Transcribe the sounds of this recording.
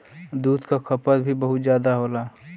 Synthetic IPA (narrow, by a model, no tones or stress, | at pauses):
d̪uːd̪ʱkakʰɐpəɾbʱibəɦʊt̪zjaːd̪aɦoːlaː